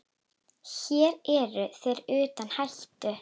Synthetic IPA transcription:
çɛːɾɛɾʏθɛɾʏːt̪anhajht̪ʏ

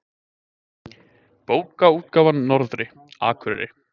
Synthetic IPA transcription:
poːwkauːt̪kaːvanːɔɾðɾɪ | a̰ːkʰvʏɾɛɾɪ̰

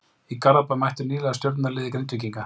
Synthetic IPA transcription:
ikaɾapamajht̪ʏɾniːlɛɣast̪joɾt̪naɾlɪːðɪkɾejnt̪ʏc̬iŋka

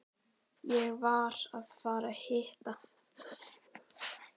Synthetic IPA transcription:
jɛɣvaɾaðfaːɾahɪːht̪a

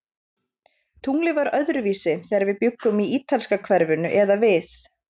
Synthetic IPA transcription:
t̪ʰuŋlɪvaɾœðɾʏviːsɪθɛːaɾvɪðpjʏkːʏmiiːt̪alskakʰvɛɾvʏnʏʔɛðavɪθ

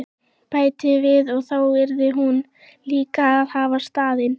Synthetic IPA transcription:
paːjt̪ɪvɪðɔɣθawvɛɾðɪɦun | liːkaːðhavast̪aːðɪn

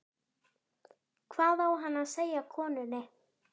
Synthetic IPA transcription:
kʰvaðawɦanasejakʰɔnønɛ

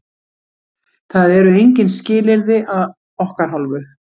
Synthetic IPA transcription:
θaðɛɾʏejɲcɪnscɪːlɪɾðɪʔað | ɔhkaɾ̥ɦalvʏ

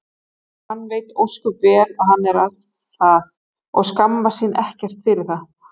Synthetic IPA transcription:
hanːveːjt̪owsk̪uvɛːlaðhanːɛɾað | θað | ɔ̰ɣskamvasɪːnʔɛhcɛr̥t̪fɪɾɪθa

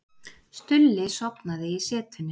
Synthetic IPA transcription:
st̪ʏlːɪsɔpnaðɪisɛːt̪ʰʏnːɪ

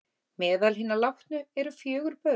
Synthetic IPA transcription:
mɛːðalɦinːalaxt̪nʏɛɾʏfjœːɣʏɾpœ

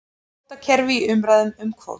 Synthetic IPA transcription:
t̪acʰɛɾvɪiʏmɾaːjðʏmʏmkʰvo̰ːwt̪

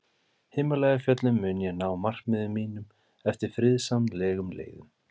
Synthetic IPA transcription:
hɪːmalaːjɣafjœt̪lʏmːʏːnjɛnaːwmar̥kmɪðʏmːiːnʏm | ɛft̪ɪɾ̥fɾɪðsamlɛːɣʏmlḛːjɣʏ̰m

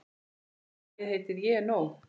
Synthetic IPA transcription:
jɛðhejt̪ɪðjɛnow

